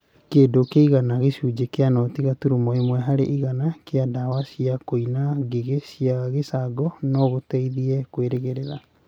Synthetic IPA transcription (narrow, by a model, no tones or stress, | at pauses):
keːdokeiɣanaɣeɕud͡ʒekeanɔtiɣatuɾumɔemwɛɦaɾḛʔiɣanakeadawasiakoinaɡeɣesiaɣesaɡɔnɔɣotɛiðiɛkweɾeɣeɾeɾa